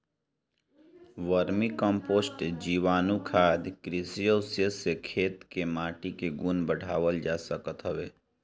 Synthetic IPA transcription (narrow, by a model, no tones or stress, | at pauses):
ʋəɾmikə̃mpoːsʈd͡ʒiːʋaːnukʰaːd̪kɾɪsijoːsjəsekʰeːt̪kemaːʈikeɡunbəɽ̤ʱaːʋəld͡ʒaːsəkət̪ɦəʋeː